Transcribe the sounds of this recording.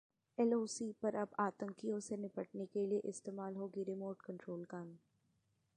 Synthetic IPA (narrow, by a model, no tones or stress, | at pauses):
ɛloːsipɐɾɐbaːt̪ə̃ŋkijõsenɪpəʈnekelieʔɪst̪eːmaːlɦoːɡiɾɪmoːɾʈkɐ̃ɳʈɾoːlkaːn